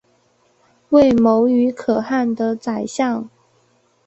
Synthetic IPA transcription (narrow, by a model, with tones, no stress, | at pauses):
we˥˩ɪmo˧˥ʊy˧˥kʰɤ˨˩xa˥˩nd̪ə˨t͡sa˨˩ɪɕjɑ˥˩ŋ